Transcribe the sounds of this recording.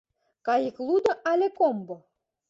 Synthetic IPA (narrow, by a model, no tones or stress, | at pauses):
kɑjiklˠud̪ɤ̆ʔɑlʲekombo